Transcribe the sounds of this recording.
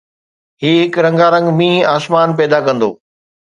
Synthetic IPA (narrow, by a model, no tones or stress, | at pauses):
ɦiːɦɪkɾɐ̃ŋɡaɾɐ̃ŋɡmĩːaːsmaːnp̬ɛːd̪akɐ̃nd̪o̰ː